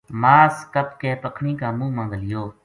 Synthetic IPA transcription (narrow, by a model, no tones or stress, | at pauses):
maːskəpkeːpəkʰɳĩːkaːmũːmə̃ŋɡəlɪjoː